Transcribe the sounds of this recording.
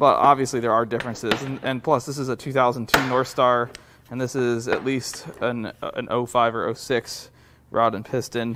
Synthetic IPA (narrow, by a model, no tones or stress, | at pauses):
b̥ʌ̰tɑ̰bviɨsliðə˞ə˞dɪfɹɨ̃nsɪzɨ̃nɨ̃npʰl̥ʌsðɪsɨzətʰʉθaʊzə̃n̩tʰʉnɔɹθstɑɹ | ɨ̃nðɪsɪzɨ̰ʔˡlistə̃nɨ̃nʔo̰ʊfaɪvə̰˞ʔoʊsɪks | ɹʔa̰ɾɨ̃npʰɪstɨ̃n